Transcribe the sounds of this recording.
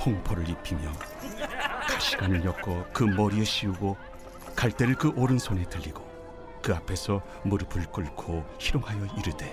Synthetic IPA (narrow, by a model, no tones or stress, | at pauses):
hʰoŋpʰoɾɯɾipʰimjʌ | kaɕʰiɡanɯɭjʌk͈ʌkɯmʌɾieɕʰiuɡo | kaɭt͈e̞ɾɯɭkɯʔoɾɯnsʰone̞tɯʎːiɡo | kɯapʰe̞sʰʌ | muɾɯpʰɯɭk͈ɯɭkʰoçiɾoŋɦajʌiɾɯde̞